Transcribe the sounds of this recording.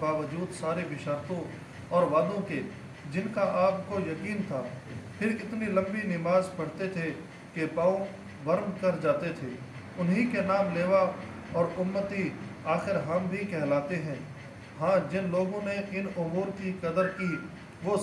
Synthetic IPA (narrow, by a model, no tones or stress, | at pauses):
baːʋəd͡ʒuːd̪saːɾeʋɪʃaːɾt̪õ | ɔːɾʋaːd̪õke | d͡ʒɪnkaʔaːpkojɐkiːnt̪ʰaːpʰɪɾɪt̪nilɐ̃mbinɪmaːzpɐɽ̤t̪et̪ʰe | kepaːõ | ʋɐɾmkɐɾd͡ʒaːt̪et̪ʰeː | ʊnɦikenaːmleːʋa | ɔːɾʊmːət̪iaːxɪɾɦɐmbʱikɛɦlaːt̪eɦɛ̃ː | ɦãːd͡ʒɪnloːɡõneʔɪnʊmuːɾkikɐd̪əɾki | ʋo